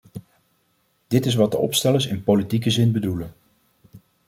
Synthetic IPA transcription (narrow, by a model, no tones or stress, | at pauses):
d̥ɪtɪs̬ʋɑt̚dəɔ̰pstɛləɹsɪnpolitikəzɪnbədulən